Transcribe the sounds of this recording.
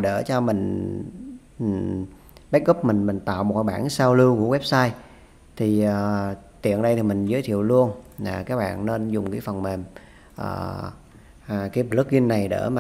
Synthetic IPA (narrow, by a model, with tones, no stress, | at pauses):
ɗəː˧˩t͡ɕɔ˧mï˨˩ŋ̟˨˩ | ɓa˦˥k̚ɣə˦˥p̚mï˨˩ŋ̟mï˨˩ŋ̟t̪a̰ː˧˨wmo˨˩t̚ka˧˦ɓaː˧˩nsaː˧wlɨ˧wku˧˩əwɛ˦˥p̚saː˧j | t̪ʰi˨˩ʔəː˨˩t̪ḭ˨˧˨ənɗə˧jt̪ʰi˨˩mï˨˩ŋ̟zəː˨˦jt̪ʰḭ˧˨əwlu˧ənlaː˨˩kaː˦˥k̚ɓa̰ː˧˨nne˧nzʊ˨˩ŋ͡mkaː˨˦fə˨˩nme˨˩m | ʔə̰ː˧˨˩ | kaː˨˦jlɨ˦˥k̚zi˧ənːa˨˩jɗə̰ː˧˩maː˨˩